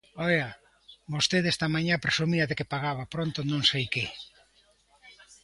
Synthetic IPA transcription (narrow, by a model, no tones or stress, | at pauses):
ɔja | bost̪eðest̪ɐmaɲapɾesumiɐðekepaɣaβapɾont̪onõŋsejke